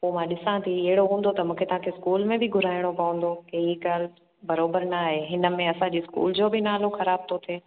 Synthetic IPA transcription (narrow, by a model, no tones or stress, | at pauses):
poːmãɗɪsãt̪ʰiɐɦɪɽoɦũːn̆d̪ot̪ɐmũːkʰet̪ɐɦãkʰeɪskuːlmẽbɪɡʱʊɾaːɪɽ̃opɐũːn̆d̪okeiɡaːl | bɐɾoːbəɾnaɦeːɦɪnə̆mẽɐsãd͡ʑiːskṵːld͡ʑoːbɪnaːloxɐɾaːb̚t̪ʰot̪ʰeː